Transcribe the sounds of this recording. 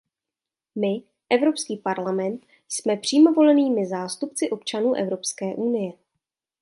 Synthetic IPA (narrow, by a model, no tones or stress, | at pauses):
mɪ | ʔɛvɾo̞pskiːpaɾlamɛnt̪ | smɛpr̝̥iːmo̞vo̞lɛniːmɪzaːst̪upt͡sɪʔo̞pt͡ʃanuːʔɛ̰vɾo̞pskɛːʔunɪjɛ